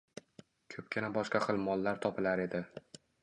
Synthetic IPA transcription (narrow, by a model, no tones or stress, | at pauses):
kʲʰɵp̚kʲɪnabɒʃqɑχɨlˠmɒlˠːaɾt̪ʰɒpʰɪlaɾe̞d̪ɪ